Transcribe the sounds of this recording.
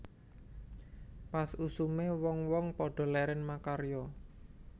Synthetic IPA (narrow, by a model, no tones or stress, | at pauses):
pasusumewɔŋwɔŋpɔɖ̥ɔ̤lɛɾɛnmakaɾjɔ